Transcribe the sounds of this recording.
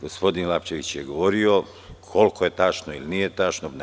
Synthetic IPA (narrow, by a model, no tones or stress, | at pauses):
ɡospo̞d̪inlˠapt͡ʃeʋit͡ɕjeɡo̞ʋoɾio | kʰo̞lkoje̞t̪aːt͡ʃnoilinijet̪at͡ʃnon